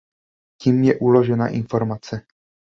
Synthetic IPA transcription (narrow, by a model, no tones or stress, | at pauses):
ciːmjɛʔulo̞ʒɛna̰ʔɪnfo̞ɾmat͡sɛ